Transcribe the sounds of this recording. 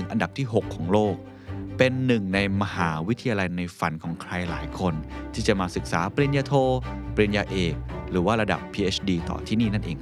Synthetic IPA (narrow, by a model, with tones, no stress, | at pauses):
ɯ˩˦ŋʔa˧nda˨˩p̚t̪ʰiː˥˩ɦo˨˩kʰːɔː˩˦ŋloː˥˩k̚ | pe˧nːɯ˨˩ŋna˧jma˧haː˩˦wi˦˥t̪ʰa˧jaː˧la˧jna˧jfa˧nkʰɔː˩˦ŋkʰɾa˧jla̰ː˩˦jkʰo˧nt̪ʰiː˥˩t͡ɕa˨˩maː˧sɯ˨˩k̚saː˩˦pɾi˧ənjaː˧t̪ʰoː˧pli˧njaː˧ʔeː˨˩k̚ɾɯː˩˦waː˥˩ɾa˧da̰˨˩pʰːiː˧ʔe˦˥t͡ɕʰdiː˧t̪ɔ̰ː˨˩t̪ʰiː˥˩niː˥˩na˥˩nʔeː˧ŋkʰ